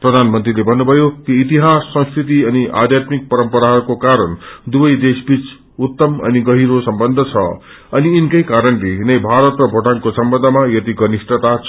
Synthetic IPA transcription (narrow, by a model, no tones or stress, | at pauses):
prʌd̪ʱanmʌnt̪rilebʱʌnːubʱʌjokiːt̪iɦasːʌ̃skʰɾit̪iʌniʔa̰d̪ʱjat̪mik̚pʌɾʌmpʌɾaɦkokaɾʌnd̪ubʌjd̪esbit͡s | ut̪ːʌmʌ̰niɡʌɦiɾosʌmbʌnd̪ʱʌt͡sʰʌ̰ | ʌniːnikʌjkaɾʌnleɦnʌjbʱaɾʌt̪rʌbʱoʈaŋkosʌmbʌnd̪ʱʌmajʌt̪iɡʌnisʈʌt̪at͡sʰ